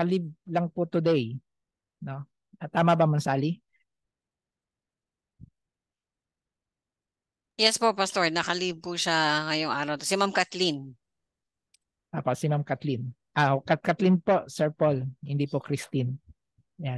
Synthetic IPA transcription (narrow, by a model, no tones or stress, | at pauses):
ɐlib̚lɐŋpʊt̪ʊd̪ɛj | no | ʔɐt̪aːmɐbɐmɐnsaːli | jɛspoʔpɐst̪oɹnɐkɐlib̚puʃaŋɐjoŋʔaːɾɐwt̪osimamkat̪lin | ʔoːpoʔsɪmamkat̪lɪn | ʔakɐkat̪lɪnposɛɹpolhɪnd̪ipokɾɪst̪ɪn | jan